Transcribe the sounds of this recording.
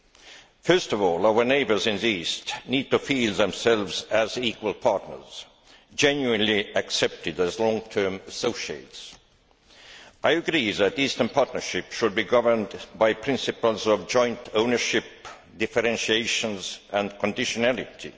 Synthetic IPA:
fɜ˞stɔvɔːlaʊə˞neɪbə˞zɪ̃nðiistnid̚tufilˠðɛ̃msɛlˠvzæzikwəlˠpʰɑɹtnə̰˞z̥ | d͡ʒɛ̃njuɨ̃nliæksɛp̚tɪdæzlɔ̃ŋtʰɜ˞məsoʊʃiḛɪts | ʔaɪɨɡɹiðætistə̃˞npʰɑɹtⁿnə˞ʃɪpʃʊd̚biɡʌvə˞ndbaɪpʰɹ̥ɪ̃nsɨpəl̩ˠzɔvd͡ʒɔ̃ɪ̃ntʰõʊ̃nə˞ʃɪp | d̥ɪfəɹɛ̃nʃieɪʃə̃nzʔə̃nkʰə̃ndɪʃənælɪtʰḭ

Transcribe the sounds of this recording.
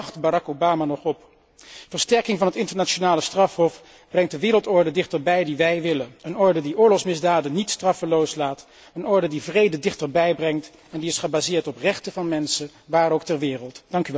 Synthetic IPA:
χtbarɑkowbaːmaːnɔχɔp | vəɹstɛɹkɪŋvɑnɦətɪntəɹnat͡ʃonaːləstrɑfɦɔf | b̥rɛŋtdəʋɪːɾəlˠtɔɹdədɪχtəɹbɛjdiʋɛjʋɪlənənɔɹdədiʊːɹlɔχsmɪzdaːdənitstrɑfəlowslaːt | ənɔɹdədivrejdədɪχtəɹbɛjbrɛŋt | ɛndiɪsχəbaːzɪːɹtɔprɛχtəvɑnmɛnsə | ʋaːrowktɛɹʋɪːrəlˠtd̥ɑŋky

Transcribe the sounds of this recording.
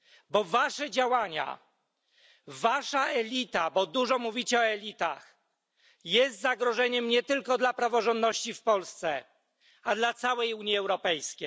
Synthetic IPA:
bɔvaʂɛd͡ʑawaɲa̰ | vaʂaɛlʲit̪abɔd̪uʐɔmuvʲit͡ɕɛɔɛlʲit̪a̰x | jɛst̪zaɡɾɔʐɛɲɛmɲɛt̪ɘlkɔd̪lapɾavɔʐɔ̃nd̪nɔɕt͡ɕifpɔlst̪sɛ | ad̪lat̪sawɛjuɲjiɛwɾɔpɛjskʲej

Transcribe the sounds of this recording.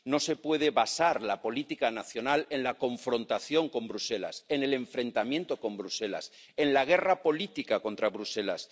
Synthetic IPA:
no̞se̞pwe̞ð̞eβasaɾlapo̞lit̪ikanaθjo̞nale̞nlako̞ɱfɾõ̞nt̪aθjo̞ŋkõ̞mbɾuse̞la̰se̞ne̞le̞ɱfɾẽ̞nt̪amjent̪o̞ko̞mbɾuse̞la̰s | e̞nlaɣ̞e̞rapo̞lit̪ikako̞nt̪ɾaβɾuse̞la̰s

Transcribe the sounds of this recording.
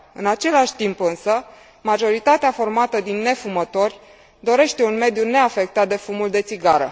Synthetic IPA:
ɨ̰nat͡ʃe̞laʃʲt̪impɨnsə | maʒo̞ɾit̪at̪eafo̞rmat̪əd̪inːe̞fumət̪o̞rʲ | d̪o̞ɾe̞ʃt̪e̞unme̞d̪june̞afek̚t̪at̪̚d̪e̞fumuld̪e̞t̪siɡaɾə̰

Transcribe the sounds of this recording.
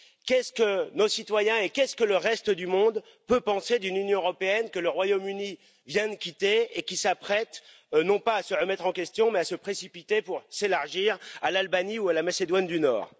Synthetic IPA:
kʲɛskənosit̪wajɛ̃ekʲɛskələʁɛst̪əd̪ymɔ̃d̪ | pøpɑ̃sed̪ynynjɔ̃øʁɔpeɛnkələʁwajomyni | vjɛ̃d̪kʲit̪eekʲisapχɛt̪ | nɔ̃paːsəʁəmɛt̪χɑ̃kʲɛst̪jɔ̃mɛasəpχesipit̪epuʁselaʁʒiːʁalalbaniualamased̪wand̪ynɔ̰ːʁ

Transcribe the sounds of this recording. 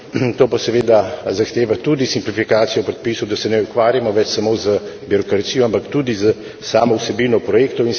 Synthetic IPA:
t̪oːpasɛʋeːd̪azaxt̪eːʋat̪uːd̪isimplifikaːt̪sijɔpɾɛt̪̚piːsɔwd̪asɛnɛukʋaːɾjamɔʋɛt͡ʃsamozəbiɾɔkɾat̪sijɔampakt̪uːd̪izə | saːmɔwsɛbinɔpɾɔjekt̪ɔwin

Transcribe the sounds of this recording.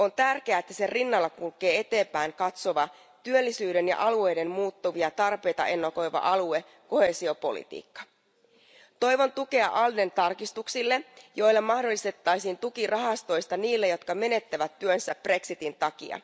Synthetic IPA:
o̞nt̪ærk̟eæːet̪ːæse̞rinːɑlːɑkulke̞ːe̞t̪e̞ːmpæːŋkɑt̪so̞ʋɑ | t̪yølːisyːde̞njɑ̰ʔɑlue̞jde̞mmuːt̪ːoʋiɑt̪ɑrpe̞jt̪ɑ̰ʔe̞nːoko̞jʋɑ̰ʔɑlue̞ | ko̞he̞ːsio̞po̞̰lḭt̪ḭːkːɑ̥ | t̪o̞jʋo̞nt̪uke̞ɑ̰ʔɑlde̞nt̪ɑrkist̪uksilːejo̞jlːemɑhdo̞lːist̪et̪ːɑjsiːnt̪ukirɑɦɑst̪o̞jst̪ɑniːlːejo̞t̪kɑme̞ne̞t̪ːæʋæt̪ːyønsæpːre̞ksit̪int̪ɑkḭɑ̰

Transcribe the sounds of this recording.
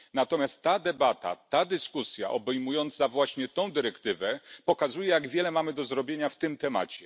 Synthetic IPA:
nat̪ɔmʲjast̪ːad̪ɛbat̪a̰t̪ad̪ɘskusja̰ʔɔbɛjmujɔnt̪savwaɕɲɛt̪ɔ̃w̃d̪ɘɾɛkt̪ɘvɛpɔkazujɛjaɡvʲjɛlɛmamɘd̪ɔzɾɔbʲjeɲaft̪ɘmt̪ɛma̰t͡ɕɛ

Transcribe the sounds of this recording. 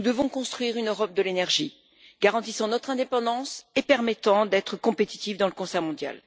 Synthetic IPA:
nud̪əvɔ̃kɔ̃st̪χɥiʁynøʁɔp̚d̪əlenɛʁʒi | ɡ̥aʁɑ̃t̪isɑ̃nɔt̪χɛ̃d̪epɑ̃d̪ɑ̃sepɛʁmɛt̪ɑ̃d̪ɛt̪χəkɔ̃pet̪i̥t̪ivd̪ɑ̃ləkɔ̃sɛʁmɔ̃d̪ja̰l

